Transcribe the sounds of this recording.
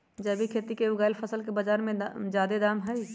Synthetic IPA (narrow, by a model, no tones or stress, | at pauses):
d͡ʒəbʱikʰet̪ikeʊɡaːɪlpʰəsəlkebəd͡ʒaːɾmẽd͡ʒaːd̪ed̪aːmɦəj